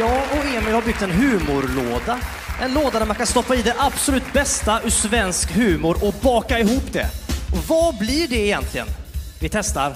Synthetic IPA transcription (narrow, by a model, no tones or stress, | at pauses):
jɑːɔeːmɪjhaɾbʏɡk̚t̪ɛnɦʉ̟ːmʊɾloːd̪a | ɛnloːd̪ad̪æɾmankʰanst̪ɔpːaid̪ɛʔab̥sɔlʉ̟ːt̪bɛst̪asvɛnskhʉ̟ːmʊɾʔɔbɑːkaɪɦuːpd̪ɛ̰ɔvablɪɖɛːjɛnt̪ʰlɪɡə̰nvɪt̪ʰɛst̪a̰ɾ